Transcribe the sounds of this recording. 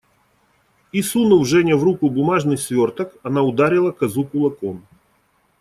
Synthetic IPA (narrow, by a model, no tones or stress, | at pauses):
isunɨvʐɛnʲəvrukʊbʊmaʐnɨjsʲvʲort̪əkɐnaʊd̪aɾʲɪlˠɐkɐzukʊlˠɐkon